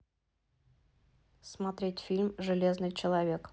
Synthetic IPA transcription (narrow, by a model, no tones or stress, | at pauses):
smat̪ɾʲetʲfʲilʲmʐɨlʲe̞znɨjt͡ɕɪlˠɐvʲe̞k